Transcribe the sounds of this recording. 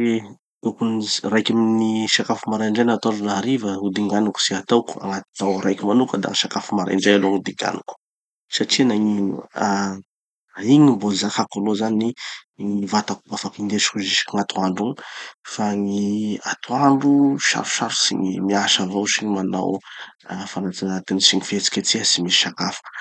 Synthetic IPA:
e | ukunrajkʲaminiʃakafumaɾaɳɖ͡ʐajnat̪aɳɖ͡ʐunaɾivəud̪iŋɡanuku̥siat̪awku̥a̰ŋat̪izawɾajkʲimanukəd̪a̰ŋiʃakafumaɾa̰ɳɖ͡ʐajaloŋud̪iŋɡa̰nuku̥ | saʈ͡ʂinaɲinṵa | iɲimbozakakolozaniŋivat̪akubafakind̪et͡ʃi̥kuziʃi̥kuŋat̪ʰuaɳɖ͡ʐuŋfaŋia̰t̪ʰuaɳɖ͡ʐuʃa̰ɾfu̥ʃaɾu̥sḭɲimiaʃavawsiɲimana̰wafanat͡sanat̪inisiɲifet͡si̥kʲet͡siəsimisi̥ʃakafu̥

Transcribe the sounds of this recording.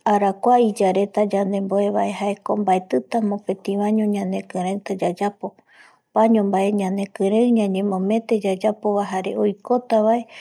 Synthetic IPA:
aɾakʷaid͡ʒaɾe̞t̪ad͡ʒand̪e̞mboe̞βae̞ɦaekombaet̪ɨt̪amõpẽ̞t̪ĩβãɲõɲãnẽ̞kɨ̃ɾ̃et̪ad͡ʒad͡ʒapo̞ | paɲõmbae̞ɲãnẽ̞kɨ̃ɾeɲãɲẽ̞mõ̞mẽ̞t̪e̞d͡ʒad͡ʒapo̞βaɦaɾe̞̰ojko̞t̪aβae̞

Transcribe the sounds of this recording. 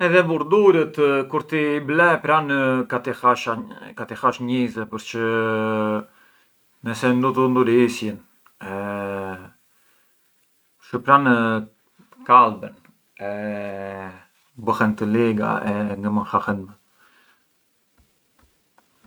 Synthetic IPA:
ɛðɛbuɾd̪uɾət̪kuɾt̪iblɛpɾankat̪ixaʃakat̪ixaʃɲizɛpəɾt͡ʃə | nɛsɛnd̪ɔt̪ənd̪uɾisjən | ɛ | ʃəpɾan | kalbɛn | ɛ | bəxɛnt̪əliɡa̰ɛŋɡəmənxaxɛnmə

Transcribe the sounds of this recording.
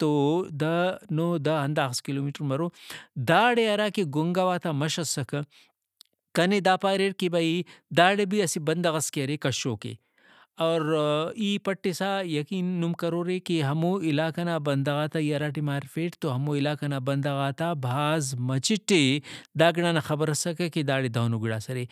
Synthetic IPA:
t̪oːd̪ɐnoːd̪ɐɦɐnd̪aːxskiloːmiːʈɾmɐɾoːd̪aːɽeɐɾaːkeɡʊŋɡaʋaːt̪aːmɐʃɐsɐk | kɐned̪aːpaːɾeːʈ̚kibɐid̪aːɽebiɐsibɐnd̪ɐɣɐskeɾekɐʃoːkḛː | ɔːɾiːpɐʈːesaːjɐkiːnːumkɐɾoːɾekiɦɐmoɪlaːkɐnaːbɐnd̪ɐɣaːt̪aiɐɾaːʈimaːɾfeːʈt̪oɦɐmoːɪlaːkɐnaːbɐnd̪ɐɣaːt̪aːbʱaːzmɐt͡ʃiʈed̪aːɡɽaːnaxɐbəɾɐsɐkɐkid̪aːɽed̪ʱɐːnuɡiɽaːsɐɾe

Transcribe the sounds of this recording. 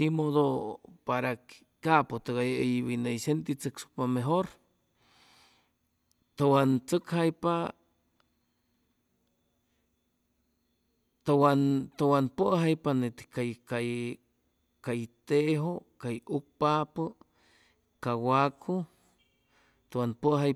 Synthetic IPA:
simoðopaɾak | kapot̪kajejβinejsent̪it͡səksu̥pameɦoɾ | t̪əwant͡səkhajpa | t̪owant̪owanpəʔɦajpanet̪i̥kajkaj | kajt̪eʔɦokajuk̚papə | kawakʰu | t̪owanpəɦaj

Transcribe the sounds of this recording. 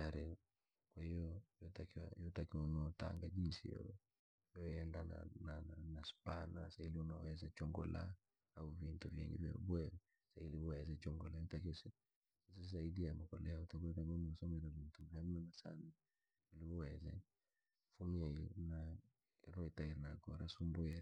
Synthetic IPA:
aɾɛ | kwahijɔjɔtakiwajɔtakiwanaɔta̰ŋɡad͡ʒinsḭjɔ̰ | jɔɛndana̰naanaspanasailiunaɔɛzat͡ʃɔŋɡɔla̰ | auvintuvjɛ̰ŋɡḭvja̰bwɛ | sailiɔɛzɛt͡ʃɔŋɡɔlajɔtakisi | sisaidijamɔkɔlɛautabwɛɾɛmɔnaɔsɔmɛɾɛlimtuŋɡamiɔnasa̰na | uliwɔwɛzɛ̰ | fumiana | iɾɔitaiɾnaɡɔɾasumbwɛɾ

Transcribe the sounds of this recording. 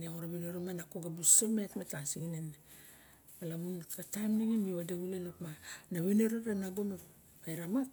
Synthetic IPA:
neoɾaβeneɾomanakoɡabusemetmetasiɡinen | malamunkatamniɡimiβadeɡulenopmanaβeneɾoɾenaɡome | ajɾamak̚

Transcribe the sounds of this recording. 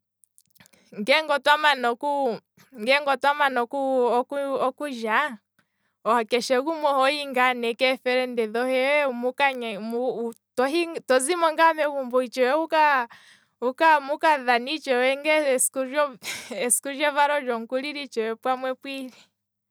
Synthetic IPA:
ŋɡɛŋɡɔtwamanɔku | ŋɡɛŋɡɔtwamanɔkuɔkuɔkuʒa | ɔhakɛʃɛɣumɔhɔiŋɡanɛkɛfɛɾɛndɛðɔhɛwɛmukaɲmu | tɔɦitɔzimɔŋɡamɛkumbɔit͡ʃɔɛuka | ukamukaðanit͡ʃɛwɛŋɡɛskuɔɛskuʒɔvaɾɔd͡ʒɔŋkuliɾit͡ʃɔwɛpwamwɛpwiɾi

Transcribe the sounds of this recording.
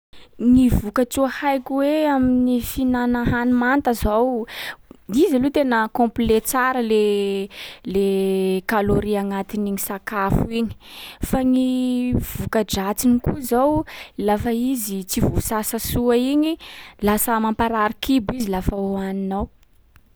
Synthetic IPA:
ŋivukat͡suahajkiweaminifinanaɦanumant̪əzaw | izalut̪enəkɔ̃mplet͡saɾəle | lekaloɾiaŋat̪iniŋisakafuiɲi̥faŋiv̥ukəd͡ʒat͡sinikuzawlafəizit͡sivusasəsuaiɲilasəmampaɾaɾikibizilafaoaninaw

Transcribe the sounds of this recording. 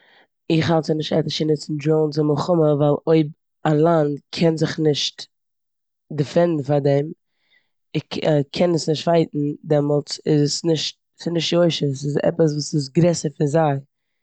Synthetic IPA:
ɪχhalˠsənɪʃtɛ̰təʃɪnɪt͡sɪn̩dɾoʊnt͡sɪməχʊməvaɪlˠoɪb̚ | alˠand̚kʰɛnzɪχnɪʃt | dəfɛndn̩faɾdɛm | ɪkʰɛnəsnɪʃtvaɪtn̩dɛmɔlˠt͡sɪzsnɪʃt̚ | sɪnɪʃtjoɪʃəsɪzɛ̰pəs̬vuːsɪs̬ɡɾɛsəɾfɪɾzaɪ

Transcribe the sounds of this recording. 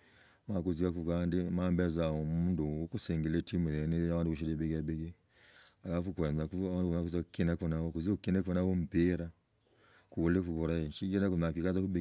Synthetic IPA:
makuziwakukandimambɛzaɔmunduukusɛŋɡilɛtimujɛnijawandukuʃ̬idibiɡabiɡi | alafukɛnzauwadunakuzakinakɔnawɔkuzikinakuɔnawɔm̩piɾa | kuβulefuβɔɾaiʃikinakumakikazakubi

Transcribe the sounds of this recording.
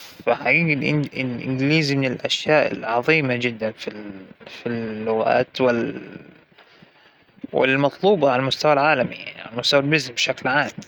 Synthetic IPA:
faħaɡiːɡalʔɪlʔɪ̰nɡɪliːzmɪnɪlʔaʃjaːʔɪ̰lʕɑðˤiːmad͡ʒɪd̪ːanfilfilːʊɣa̰ːt̪wɪl | wɪ̰lmɑt̪ˤluːbɑʕalamʊst̪awalʕaːlamija̰ʕnḭʕa̰lamʊst̪awalbɪzmbʃaklʕaːm

